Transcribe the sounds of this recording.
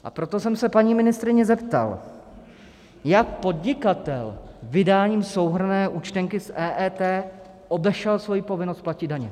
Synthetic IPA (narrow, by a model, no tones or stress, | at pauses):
ʔa̰pɾo̞t̪o̞sɛmsɛpaɲiːmɪnɪst̪ɾɪɲɛzɛpt̪a̰l | jak̚po̞dɲɪkat̪ɛ̰lvɪdaːɲiːmso̞wɦr̩nɛːʔut͡ʃt̪ɛŋkɪsʔɛːʔɛt̪ɛː | ʔo̞bɛʃɛlsvo̞jipo̞vɪnost̪placɪd̪daɲɛ